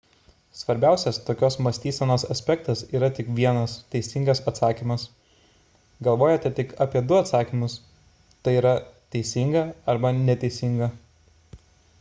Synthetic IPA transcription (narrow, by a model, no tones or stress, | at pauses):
sʋɐɾʲbʲæˑʊsʲɛst̪oːkʲoːsmɐsʲt̪ʲiːsʲɛnoːsɐsʲpʲɛkt̪ɐsiːɾɐt̪ʲɪkʋʲiɛnɐst̪ʲɛɪsʲɪŋɡɐsɐt̪sɑːkʲiːmɐs | ɡɐlˠʋoːjoːt̪ʲɛt̪ʲɪkɑːpʲiɛd̪ʊɐt̪sɑːkʲiːmʊs | t̪ɐɪiːɾɐt̪ʲɛɪsʲɪŋɡɐɐɾbɐnʲɛt̪ʲɛɪsʲɪŋɡɐ